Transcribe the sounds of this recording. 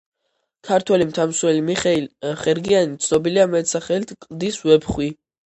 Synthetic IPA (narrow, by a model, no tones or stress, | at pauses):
kʰaɾt̪ʰwɛlimt̪ʰamswɛlimiχɛilχɛɾɡianit̪sʰnɔbiliamɛt̪saχɛlt̪ʰkʼd̪isvɛpχwi